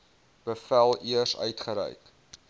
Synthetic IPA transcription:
b̥əfælˠiərsœ̰ɥtχəɾɛ̰jk

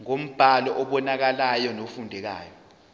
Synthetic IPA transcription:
ŋom̩b̥ʱalɔʔɔɓɔnak̬alajɔnofundʱɛk̬a̰ːjɔ

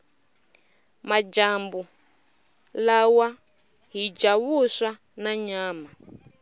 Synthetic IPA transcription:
mad͡ʒambu | lawa | ɦid͡ʒaβusa | naɲaːma

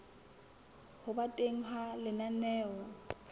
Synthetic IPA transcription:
hʊbatʼeŋ̩ɦalɪnanɛːɔ

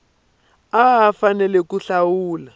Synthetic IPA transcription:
aɦafanɛlɛkuɬawuːla

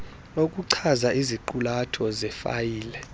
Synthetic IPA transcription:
okʼuǀʰazaʔiziǃulatʰɔzɛfa̰jiːlɛ

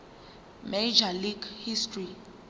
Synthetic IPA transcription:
med͡ʒaliɡhistʰri

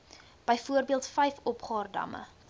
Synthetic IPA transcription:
b̥əjfuərbiəlˠtfɛjfɔpχɑːrdɐ̰mə̰

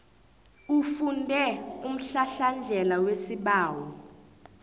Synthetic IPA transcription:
ufundʱɛum̩ɬaɬand͡ɮʱɛlawesiɓaːwɔ

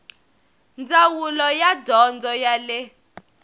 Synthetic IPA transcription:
nd͡zawulɔjadʱɔnd͡zɔjalɛ

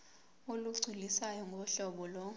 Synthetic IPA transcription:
oluɡ͡ǀʱilisajɔŋɡʱɔɔɬɔɓɔlɔ

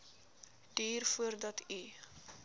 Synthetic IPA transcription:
d̥iːrfuərdɐti

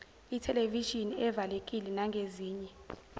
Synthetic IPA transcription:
itʰɛleviʒiniɛvalekʼilɛnaŋɡʱeziːɲɛ

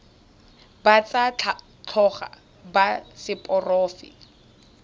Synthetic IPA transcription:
bat͡sa | t͡ɬʰɔχa̰ | basɪpʼɔrɔːfɪ̰

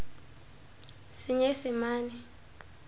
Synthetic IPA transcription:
sɪɲesɪmaːni

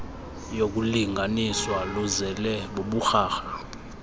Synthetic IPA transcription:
jok̬uliŋʱaniswaluzɛlɛɓoɓuxaːxa

